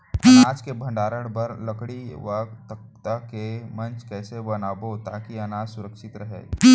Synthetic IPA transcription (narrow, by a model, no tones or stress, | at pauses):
ɐnaːd͡ʒkebʱə̃ɳɖaːɾəɽ̃bəɾlɐkɽiʋakt̪ək̚t̪akemɐ̃nt͡ʃkɛːsebɐnaːbot̪akiɐnaːd͡ʒsʊɾəkʃɪt̪ɾɐɦɛ̰ː